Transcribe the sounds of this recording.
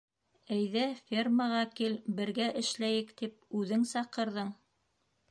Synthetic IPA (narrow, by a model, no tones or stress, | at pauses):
æjðæfʲerməʁɑkilbɘ̆ɾɡæʔɘ̆ʃlæjɘkt̪ip̚ʉðɘŋsɑqɤ̆ɾðɤɴ